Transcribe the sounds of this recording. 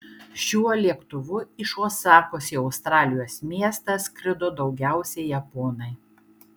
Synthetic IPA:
ʃʲuɔlʲiɛkt̪ʊʋʊɪʃoːsɑːkoːsʲɪɒʊst̪ɾɑːlʲɪjoːsmʲiɛst̪ɐskɾʲɪd̪oːd̪ɒʊɡʲæˑʊsʲɛɪjɛpoːnɐɪ

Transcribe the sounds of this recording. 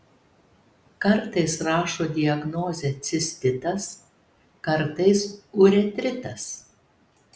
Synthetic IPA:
kɐɾt̪ɐɪsɾɑːʃoːd̪ʲɪɐɡnoːzʲɛt̪sʲɪsʲt̪ʲɪt̪ɐs | kɐɾt̪ɐɪsʊɾʲɛt̪ʲɾʲɪt̪ɐs

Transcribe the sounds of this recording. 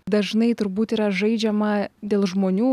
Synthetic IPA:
d̪ɐʒnɐɪt̪ʊɾbuːt̪iːɾɐʒɐɪd͡ʒʲɛmɐd̪ʲeːlˠʒmoːnʲuː

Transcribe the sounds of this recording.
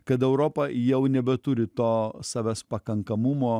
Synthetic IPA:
kɐt̪̬ɛʊɾoːpɐjɛʊnʲɛbʲɛt̪ʊɾʲɪt̪oːsɑːʋʲæspɐkɐŋkɐmʊmoː

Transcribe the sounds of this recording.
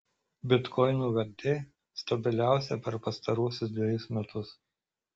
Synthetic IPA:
bʲɪt̪kʰɔɪnuːʋʲɐɾʲd̪ʲe | st̪ɐbʲɪlʲæˑʊsʲɛpʲɛɾpɐst̪ɐɾuɔsʲʊsd̪ʲʋʲɛjʊsmʲɛt̪ʊs

